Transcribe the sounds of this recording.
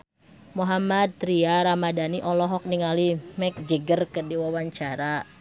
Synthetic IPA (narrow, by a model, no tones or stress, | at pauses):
moɦamad̪̚t̪ɾiaɾamadaniʔɔlɔɦɔk̚niŋalimɛk̚d͡ʒəɡərkərdiwawaɲt͡ʃaɾa